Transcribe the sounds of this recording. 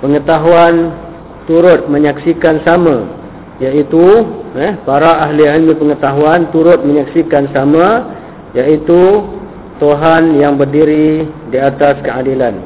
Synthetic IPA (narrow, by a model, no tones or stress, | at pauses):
pəŋət̪aɦuan | t̪uɾʊt̪̚mə̃ɲaksikansamã | jaʔit̪uɛpaɾaʔaɦliʕilmĩpəŋət̪aɦuant̪uɾʊt̪̚mə̃ɲaksikansamã | jaʔit̪u | t̪oɦanjaŋbərdiɾidiat̪askəadilan